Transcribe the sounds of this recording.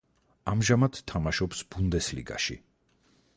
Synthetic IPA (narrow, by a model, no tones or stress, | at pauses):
amʒamad̪ʰːamaʃɔpsbund̪ɛslḭɡa̰ʃḭ